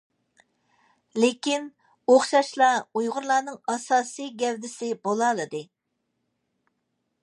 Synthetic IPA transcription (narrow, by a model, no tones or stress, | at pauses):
lekʲin | oχʃɑʃlˠɑujʁʊɾlˠɑːnɨŋɑsɑːsɨjɡʲɛwd̪ɪsɪbolˠɑlˠɨd̪ɨ